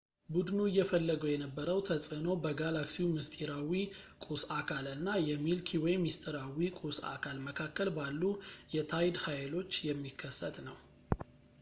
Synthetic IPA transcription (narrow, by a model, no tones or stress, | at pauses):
bud̪nuɨjːɛfəlːəɡojɛnəbːəɾəwt̪ʰəsʼɨno̞bəɡalaksiwmɨst̪ʼiɾawikʼusakʰalɨnːajɛmilkʰiwɔjmist̪ʼʰəɾawikʼusa̰kʰalməkʰakːəlbalːujɛt̪ʰajd̪hajlo̞t͡ʃːjɛmːikʰːəsːət̪nəw